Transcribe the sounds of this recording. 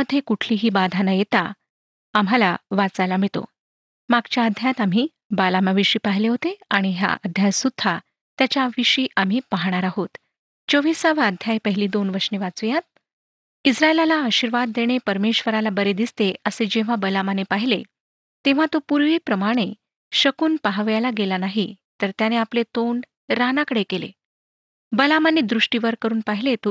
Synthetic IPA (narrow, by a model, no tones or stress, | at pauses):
əd̪ʱːjekuʈʰliːɦiːbad̪ʱanajet̪a | amɦalaʋat͡sajlamiɭt̪o̰ | maɡt͡ɕjaəd̪ʱjat̪am̤iː | balamaʋiʂiːpaɦileɦot̪eaɽ̃iɦja̰ʔəd̪ʱjajsud̪ʱʰa | t̪jat͡ɕjaʋiɕiːʔam̤iːpaɦɽ̃aɾaɦot̪ | t͡ɕoʋisaʋ̤aəd̪ʱjajpəɦiliːd̪onʋəɾʂneʋat͡sujat̪̚ | isɾaelalaːɕiɾʋad̪ːeɽ̃epəɾmeɕʋəɾalabəɾed̪ist̪eʔəsed͡ʑeʋ̤abəlamanepaɦile | t̪eʋ̤at̪opuɾʋiːpɾəmaɽ̃e | ɕəkuːnpaɦaʋjalaɡelanaɦi | t̪əɾt̪janeaplet̪oɳɖ | ɾanakəɽekelḛ | bəlamaned̪ɾuʂʈiʋəɾkəɾuːnpaɦilet̪o